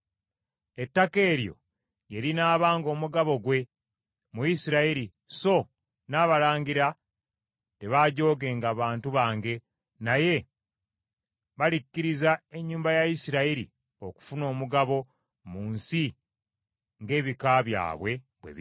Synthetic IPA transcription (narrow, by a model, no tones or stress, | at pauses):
e̞tːake̞ːɾjo̞̰ | jelinaːβaːŋɡo̞ːmuɡaβo̞ɡwe̞ | muisiɾaiɾi | so̞ | naːβalaːɲɡiɾa | te̞βaːɟo̞ːɡe̞ːŋɡaːβaːntuβaːŋɡe̞ | naje̞ | βalicːiɾizae̞ɲːuːmbajaisiɾaiɾḭ | o̞ku̥funo̞ːmuɡaβo̞ | muːnsi | ŋɡe̞ːβikaβja̰ːβwe̞ | βwḛβ